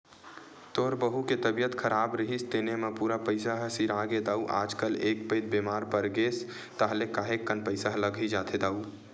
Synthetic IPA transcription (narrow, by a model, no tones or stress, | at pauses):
t̪oɾbəɦuket̪əbijət̪kʰəɾaːbɾəɦist̪enemepuɾapəɪsaɦəsiɾaɡed̪aːuʔa̰ːd͡ʒkəleːk̚pəɪd̪̚bemaːɾpəɾɡeːs | t̪aɦlekaɦekːənpəɪsaɦləɡʱid͡ʒaːt̪ʰed̪aːu